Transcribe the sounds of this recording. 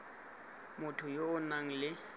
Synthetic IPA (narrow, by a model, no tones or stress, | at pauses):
mʊtʰʊjoʊnaŋ̩lɪ